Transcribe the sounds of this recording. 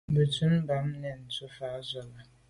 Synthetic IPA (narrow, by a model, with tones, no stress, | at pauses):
bə˨tʰu˦n̩˦ba˨˦m˦nɛ˨n̩˨tʰu˦fa˨˦za˨ba˨